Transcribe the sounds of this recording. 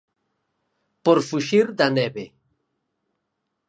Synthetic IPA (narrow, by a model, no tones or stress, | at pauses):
poɾfuʃiɾd̪anebe